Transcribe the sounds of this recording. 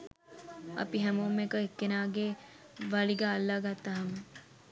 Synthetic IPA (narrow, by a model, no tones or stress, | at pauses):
ɐ̰piɦɛmoːmːekəekːenaːɡe | ʋaɭiɡaːlːaːɡat̪ːaɦamə